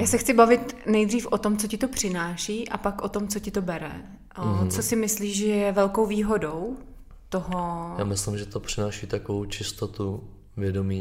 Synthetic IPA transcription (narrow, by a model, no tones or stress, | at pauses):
jaːsɛxt͡sɪbavɪt̪nɛjd̪riːfʔot̪o̞mt͡socɪt̪opr̝̥ɪnaːʃiːʔapakʔot̪o̞mt͡so̞cɪt̪obɛɾɛ̰ | t͡sosɪmɪsliːʒʒɛjɛvɛlko̞wviːɦo̞dow | t̪oɦoja̰ːmɪslɪmʒɛt̪opr̥ɪnaːʃiːt̪akovowt͡ʃɪst̪ot̪u | vjɛdomiː